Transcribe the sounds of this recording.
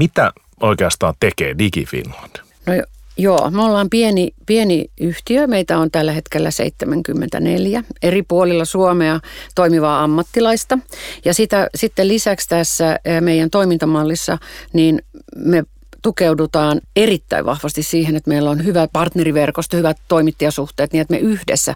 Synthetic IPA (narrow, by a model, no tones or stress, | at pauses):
mit̪æ̰ | oikeɑst̪ɑ̰ːt̪ekḛːdikḭfḭnɑ̥n | nojjo̰ːmeolːɑːmpienipieniyht̪iømeit̪æont̪ælːæhet̪kelːæ̰sḛit̪ːemæŋkymːḛnt̪æ̰nḛljæeripuolilːɑsuomeɑt̪oimiʋɑːɑmːɑt̪ːilɑist̪ɑjɑsit̪æsit̪ːelisækst̪æsːæmeijænt̪oimint̪ɑmɑlːisːɑ̰niːnme | t̪ukeudut̪ɑːnerit̪ːæ̰ḭʋɑ̰hʋɑst̪issiːhenet̪meilːonhyʋæpɑrt̪neriʋerkost̪ɑhyʋæt̪t̪oimit̪ːijɑsuht̪eːt̪niet̪mḛʔyhdḛsːæ̰